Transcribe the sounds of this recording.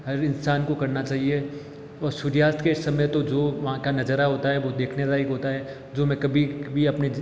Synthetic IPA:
ɦɐɾɪnsaːnkokɐɾnat͡ʃaːɦie | ɔːɾsuɾjaːst̪ʰkesɐməjt̪od͡ʒoːʋɐɦãkanɐd͡ʒəɾaɦoːt̪aɦɛʋod̪eːkʰnezaikɦoːt̪aɦɛ | d͡ʒoːmɛ̃kɐbʱibʱiɐpne

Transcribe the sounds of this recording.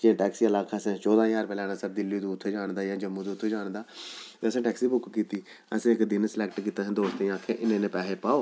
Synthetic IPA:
keʈɛːksiːəlaːkʰaːsẽːt͡ʃɔːd̪aːjaːɾpɛːlɛːnaːsəɾd̪ɪlːiːd̪uːt̪ʰːeːd͡ʒaːɳd̪aːjãːd͡ʒəmːũːd̪ːt̪ʰːeːd͡ʒaːɽd̪aːt̪eːəsẽːʈɛːksiːbʊkkiːt̪iː | əsẽːɪkd̪ɪnslɛːkʈkiːt̪aːsnd̪oːst̪ːaːkʰːeːʔɪnẽːnẽːpɛːeːpaːoː

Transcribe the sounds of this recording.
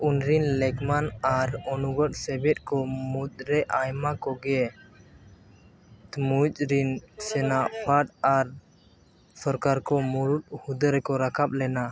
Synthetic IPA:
unɾinlɛɡmanaɾɔnuɡɔʈsɛbɛt̪̚ˀkɔmut̪ɾɛʔajmakɔɡɛ | t̪mut͡ʃɾinsɛnaʔpʰaʈaɾ | sɔɾkaɾkɔmuɾut̪̚hud̪əɾɛkɔɾakʰaɓ̚lɛna

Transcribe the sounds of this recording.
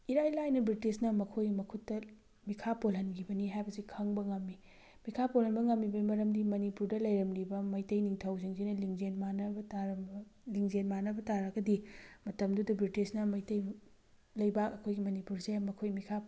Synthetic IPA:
iɾajlajnɐbɾitisnɐmɐkʰojmɐkʰutːɐ | mikʰapolɦɐnɡʰibɐniɦajbɐsikʰɐŋbɐŋɐmːi | mikʰapolhɐnbɐŋɐmːibɐmɐɾɐmdimɐnipuɾdɐlɐjɾɐmlibɐmɐjtɐjniŋtʰɐwziŋzinɐliŋzenmanɐbɐtaɾliŋzenmanɐbɐtaɾɐɡɐdimɐtɐmdudɐbɾitisnɐmɐjtɐj | lɐjbakɐkʰojɡimɐnipuɾsemɐkʰojmikʰa

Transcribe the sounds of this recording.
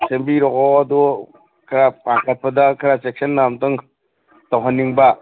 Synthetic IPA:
sembliɾɔkɔadu | kʰaɾapaŋkʰɐt̚pɐdɐkʰɐɾasek̚sɐnːamtɯŋ | tawɦanːiŋba

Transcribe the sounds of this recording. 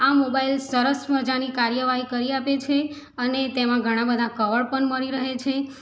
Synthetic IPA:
amobailsəɾəsməɾd͡ʒanikaɾjəʋaɦikəɾiapet͡ʃʰe | ənet̪emãɡʱəɽ̃ãbəd̪ʱakəʋəɾpəɳməɭiɾəɦet͡ʃʰe

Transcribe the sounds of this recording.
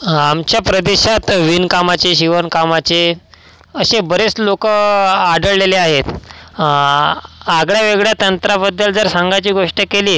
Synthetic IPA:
amt͡ɕjapɾəd̪eɕat̪ʋinkamat͡ɕeɕiʋənkamat͡ɕe | əɕebəɾet͡slokəaɖəɭleleaɦet̪ | aɡɭjaʋeɡɭjat̪ənt̪ɾabəd̪ːəld͡zəɾsaŋɡat͡ɕiːɡoʂʈəkeliː

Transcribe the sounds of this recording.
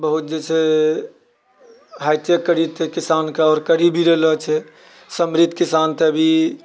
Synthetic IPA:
bəɦut̪̚d͡ʒɛt͡ʃʰe | ɦajt̪jəkːəɾit̪ʰekisankeɔːɾkəɾibʱiɾelɔt͡ʃʰɛ | səmɾit̪ːkisant̪ʰeəbʱi

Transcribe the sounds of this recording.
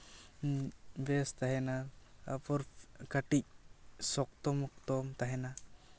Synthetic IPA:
bɛst̪aɦɛnaa̰pɔɾkaʈic̚sɔk̚t̪ɔmɔk̚t̪ɔmt̪aɦɛna

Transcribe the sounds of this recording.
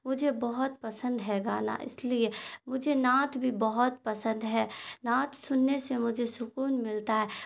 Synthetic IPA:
mʊd͡ʒʱebɐɦʊt̪̚pɐsə̃nd̪ɦɛɡaːna̰ʔɪ̰sliemʊd͡ʒʱenãːt̪bʱibɐɦɔt̪̚pɐsə̃nd̪ɦɛːnãːt̪sʊnːesemʊd͡ʒʱesʊkuːnmɪlt̪aɦɛː

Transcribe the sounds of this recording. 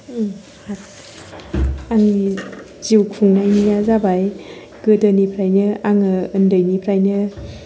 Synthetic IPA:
hat̚ | aŋi | ziwkʰuŋnajnijazabaj | ɡ̥ɯdɯnipʰɾajnɯaŋɯɯndɯjnipʰɾajnɯ

